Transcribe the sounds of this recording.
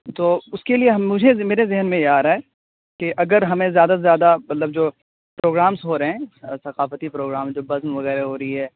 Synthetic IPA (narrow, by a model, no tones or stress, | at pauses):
t̪oːʊskelieɦɐmːʊd͡ʒʱemeːɾezɪɦənmẽjaːɾaɦɛ | keʔɐɡəɾɦɐmẽzjaːd̪azjaːd̪amɐt̪ləb̚d͡ʒoː | pɾoːɡɾaːmsɦoɾɐɦɛ̃sɐqaːfət̪ipɾoːɡɾaːmd͡ʒoːbɐzmʋɐɣɛːɾeɦoːɾɐiɦɛː